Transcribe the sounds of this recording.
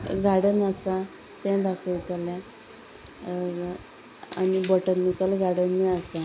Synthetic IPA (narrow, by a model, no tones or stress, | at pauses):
ɡaɽənasa | t̪ɛ̃d̪akʰəjt̪alja | a̰ɽibɔʈənikəlɡaɽənːəəsa